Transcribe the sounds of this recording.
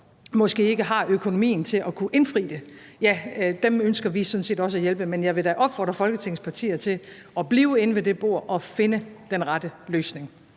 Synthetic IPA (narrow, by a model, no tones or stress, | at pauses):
mɒ̽sɡ̥e̝̰ːe̝ɡ̥əɦɑ̈ʔøkʰo̝no̝mḭːn̩t͡sʰe̝ʔɒkʰuʔe̝nfʁḭːd̥ejæd̥emønsɡ̥ɐʋisɔ̽nse̝̰ːdɒ̽səæjelb̥əmenjɑ̈ɪʋe̝dæʔɒ̽b̥fɒ̰ːd̥ʁɐfɒ̽lɡ̥ət͡sʰe̝ŋspʰɑ̈t͡sʰḭːɐt͡sʰe̝l | ʔɒ̽b̥liːʊe̝nəʋe̝d̥e̝b̥o̝ɐ̰ʔɒ̽fe̝nəd̥enʁɑ̈d̥əløːsne̝ŋ